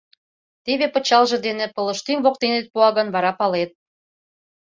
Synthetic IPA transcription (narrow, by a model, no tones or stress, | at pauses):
t̪eβepə̆t͡ɕɑlʒĕd̪enĕpɤ̆lə̆ʃt̪yŋβok̚t̪enet̪̚puɑɣɤ̆nβɑɾɑpɑlet̪̚